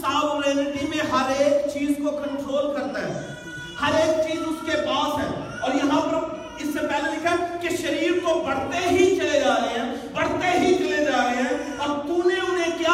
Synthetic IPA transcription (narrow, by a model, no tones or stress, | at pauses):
saːboɾẽnɖimẽɦɐɾeːkt͡ʃiːzkokə̃ɳʈɾoːlkɐɾt̪aɦɛ̰̃ː | hɐɾeːk̚t͡ʃiːzʊskepaːsɦɛ̰ː | ɔːɾjɐɦãpɐɾ | ɪsːepɛːɦlelɪkʰəlkiʃəɾiːɾkopɐɽ̤t̪eɦit͡ʃɐled͡ʒaːɾəeɦɛ̃ːpɐɽ̤t̪eɦit͡ʃɐled͡ʒaːɾəɦeɦɛ̃ː | ɐbt̪uːneʊnẽkjaː